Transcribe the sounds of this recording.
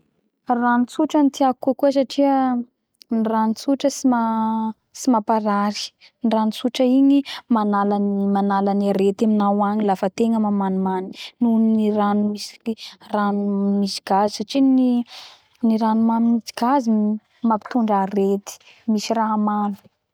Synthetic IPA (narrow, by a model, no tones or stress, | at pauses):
ranit͡suʈ͡ʂənit̪iakukuəs̬aʈ͡ʂiə | niranit͡suʈ͡ʂəsima | simapaɾaɾi̥ | niranit͡suʈ͡ʂəiɲimanalanimanalanaɾet̪aminawaɲilafət̪eŋəmamanmani̥nuniniɾanumisi̥ranumisiɡazisaʈ͡ʂini | niɾanumanimisi̥ɡazi | mapi̥t̪uɳɖ͡ʐaɾet̪i̥ | misiraɦamanu̥